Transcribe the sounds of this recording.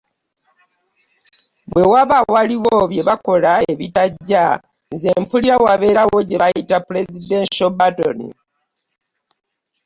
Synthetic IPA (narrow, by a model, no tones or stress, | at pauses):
βwe̞waβawaliwoβje̞βako̞laeβitaɟːa | nze̞mpuliɾawaβe̞ːɾawo̞ɟe̞βajitapule̞zidenʃobato̰nḭ